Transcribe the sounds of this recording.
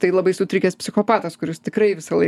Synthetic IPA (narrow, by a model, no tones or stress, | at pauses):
t̪ɐɪlˠɐbɐɪsʊt̪ʲɾʲɪkʲɛspʲsʲɪxoːpɑːt̪ɐskʊɾʲɪst̪ʲɪkɾɐɪʋʲɪsɐlˠɐɪ